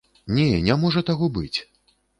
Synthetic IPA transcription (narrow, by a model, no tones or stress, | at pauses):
nʲɛnʲamɔʐɐt̪aɣɔbɨt͡sʲ